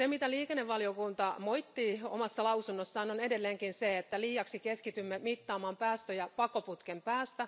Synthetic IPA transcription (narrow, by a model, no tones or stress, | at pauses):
semit̪æliːkenːeʋʋɑliokunt̪ɑmojt̪ːiːo̰mɑsːɑlɑusunːosːɑːnonedelːeːŋkinseet̪ːæliːɑksikeskit̪ymːemit̪ːɑːmɑːmpæːst̪øjɑpɑkoput̪kempæːst̪æ